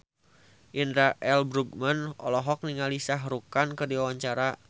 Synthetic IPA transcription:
ʔindɾaʔɛlbɾuɡ̚manɔ̰lɔɦɔk̚niŋalisaɦɾukankɨərdiwawaɲt͡ʃaɾa

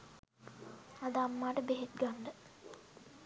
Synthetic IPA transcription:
ad̪aːmːaːʈəbeɦet̪̚ɡanɖə

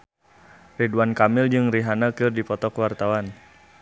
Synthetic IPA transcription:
riduwankamɪld͡ʒɨŋriɦanakɨrdipɔt̪ɔkəwart̪awan

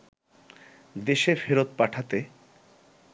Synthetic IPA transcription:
d̪eʃefeɾot̪̚paʈʰat̪e

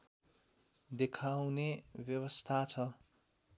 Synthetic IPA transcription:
d̪ekʰawnebjʌwʌst̪ʰat͡sʰʌ

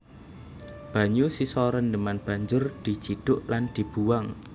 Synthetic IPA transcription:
b̥a̤ɲusisɔɾəndəmanb̥a̤ɲd͡ʒʊrd̪̥i̤t͡ʃiɖ̥ʊʔland̪̥i̤b̥uwaŋ

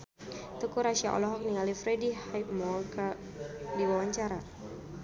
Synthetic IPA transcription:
t̪əkuɾaʃiaʔɔ̰lɔɦɔk̚niŋalifɾɛdihajp̚mɔlka | diwawaɲt͡ʃaɾa

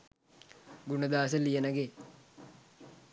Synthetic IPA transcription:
ɡunəd̪aːs̬əlijenɐɡe

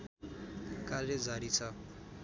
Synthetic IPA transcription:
karjed͡zaɾit͡sʰʌ

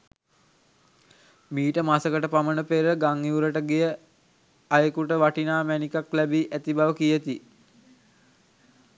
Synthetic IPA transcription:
miːʈəmasəkəʈəpamənəpeɾəɡaŋiuɾəʈəɡejə | ajəkuʈəʋaʈinaːmænikaklæbiʔæt̪ibaʋəkijət̪i

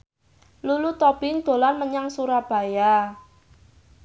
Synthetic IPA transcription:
lulut̪ɔb̥ɪŋd̪̥o̤lanməɲaŋsuɾab̥a̤ja

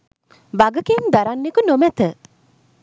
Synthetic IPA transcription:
ʋaɡəkemd̪aɾanːekunomæt̪ə

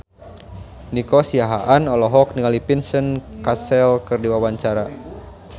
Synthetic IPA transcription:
nikɔsiaɦaʔanɔlɔɦɔk̚niŋalipinsənkasɛlkɨrdiwawaɲt͡ʃaɾa

